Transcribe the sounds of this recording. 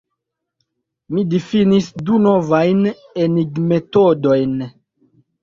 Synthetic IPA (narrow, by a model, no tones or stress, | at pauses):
midifinisdunovajn | eniɡme̞todo̞jn